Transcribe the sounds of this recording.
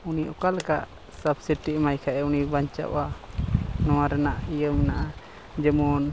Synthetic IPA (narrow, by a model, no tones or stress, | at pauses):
uniʔɔkalka̰ʔ | sabsiʈiʔmajkʰaʔɛunibaɲt͡ʃa̰ʔa | nɔwaɾɛnaʔijəmnaʔa | d͡ʒəmɔn